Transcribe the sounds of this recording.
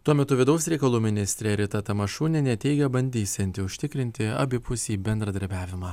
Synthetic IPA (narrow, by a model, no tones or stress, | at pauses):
t̪uɔmʲɛt̪ʊʋʲɪd̪ɐʊsʲɾʲɛɪkɐlˠuːmʲɪnʲɪsʲt̪ʲɾʲɛːɾʲɪt̪ɐt̪ɐmɐʃuːnʲɛnʲɛt̪ʲɛɪɡʲɛbɐnʲd̪ʲiːsʲɛnʲt̪ʲɪʊʃʲt̪ʲɪkɾʲɪnʲt̪ʲɪɐ̰bʲɪpʊsʲiːbʲɛnd̪ɾɐd̪ɐɾʲbʲæːʋʲɪmɑː